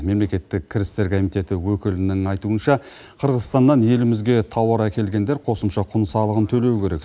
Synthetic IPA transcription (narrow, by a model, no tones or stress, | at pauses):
me̞mle̞kʲe̞t̪ːɪkʲʰːɪɾɪst̪e̞ɾkʰomijt̪e̞t̪ɪwɵkʲɪlɪnɪŋɑjt̪uənʃɑ | qʰəɾʁəzst̪ɑnːɑnje̞lɪmɪzɡʲe̞t̪ʰɑwɑɾækʲe̞lɡʲe̞nd̪eɾqʰo̞səmʃɑqʰʊnsɑlˠəʁənt̪ʰɵle̞wɪkʲʰe̞ɾe̞k